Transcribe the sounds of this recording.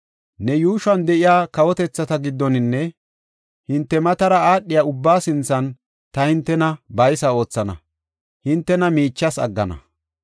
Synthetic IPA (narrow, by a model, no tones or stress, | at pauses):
nɛjuːʃɐnd̪ɛʔɪjaːkɐwɔt̪ɛt͡sːɐt̪ɐɡɪd̪ːɔnɪnːɛ | hɪnt̪ːɛmɐt̪ɐɾɐaːɗːɪjaːʊbːaːsɪnt͡sːɐn | t̪ɐhɪnt̪ːɛnɐbɐjsɐo̞ːt͡sːɐnɐ̰ | hɪnt̪ːɛnɐmiːt͡ʃːɐsɐ̰ɡːɐ̰nɐ̰